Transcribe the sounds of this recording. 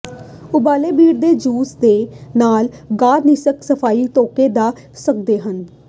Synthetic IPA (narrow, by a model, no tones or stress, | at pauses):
ʊbaːleːbiːɽd̪eːd͡ʒuːsd̪eːnaːlɡaːɾnɪsəksəpʰaːiːt̪oːkeːd̪aː | sək̚d̪eːɦən